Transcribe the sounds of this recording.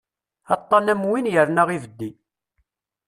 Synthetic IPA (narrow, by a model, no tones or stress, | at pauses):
ɑt̪ˤːɑnæmwinjəɾnæʁivəd̪ːi